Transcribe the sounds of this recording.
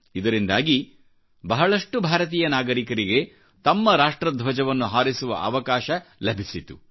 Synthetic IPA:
id̪ɐɾind̪a̰ːɡi | bɐɦɐɭɐʂʈubʱaːɾɐt̪̬iːjɐnaːɡɐɾikɐɾiɡe̞ | t̪ɐmːɐɾaːʂʈɾɐd̪ʱʋɐd͡ʒɐʋɐnːuɦaːɾisuʋɐ̰ʔɐʋɐkaːʃɐlɐbʱisit̪u

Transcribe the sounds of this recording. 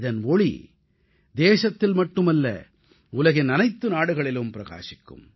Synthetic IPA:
ðɐnʋɔɭḭ | d̪eːʂɐt̪ːɪlmɐʈːɯmɐlːɐ̰ | ʊlɐɣɪnɐnɐɪt̪ːɯnaːɽɯɣɐɭɪlɯmpɪɾɐɣa̰ːʂɪ̥kːɯ̰m

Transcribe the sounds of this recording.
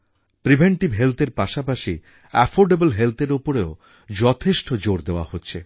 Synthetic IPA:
pɾibʱeɳʈibɦelt̪ʰeɾpaʃapaʃi | ɛ̰foɾɖebolɦelt̪ʰeɾupoɾeo | d͡ʑɔt̪ʰeʃʈod͡ʑoɾd̪eoa̰hotːɕʰe

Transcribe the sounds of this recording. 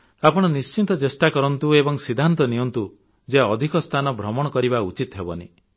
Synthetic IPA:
apɔɽ̃ɔnist͡ʃint̪ɔt͡ʃesʈakɔɾɔnt̪uebɔŋsid̪ʱant̪ɔnijɔnt̪u | d͡ʒeɔd̪ʱikɔst̪ʰanɔbʱɾɔmɔɽ̃ɔkɔɾibaut͡ʃit̪ɦebɔnḭ

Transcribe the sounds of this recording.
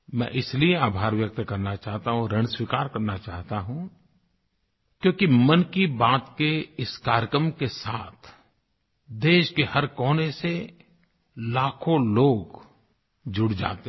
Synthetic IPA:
mɛ̰̃ʔɪslieaːbʱaːɾwjək̚t̪kɐɾnat͡ʃaːɦt̪aɦũɔːɾɐɳ̃swiːkaːɾkɐɾnat͡ʃaːɦt̪aɦũ | kjõːkimɐnkibaːt̪keɪskaːɾjəkɾəmkesaːt̪ʰ | d̪eːʃkehɐɾkɔːnese | laːkʰõloːɡ | d͡ʒʊɽd͡ʒa̰ːt̪e

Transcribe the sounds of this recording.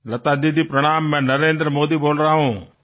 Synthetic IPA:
lɐt̪aːd̪id̪iːpɾəɽ̃aːmːɛ̃ːnɐɾeːnd̪ɾəmoːd̪iːboːlɾaːɦũː

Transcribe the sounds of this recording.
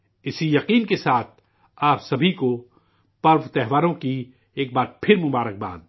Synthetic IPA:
ɪsijɐqiːnkesaːt̪̚ʰ | aːpsɐbʱiko | pɐɾʋt̪ɛɦʋaːɾõki | eːk̚baːɾpʰɪɾmʊbaːɾək̚ba̰ːd̪̚

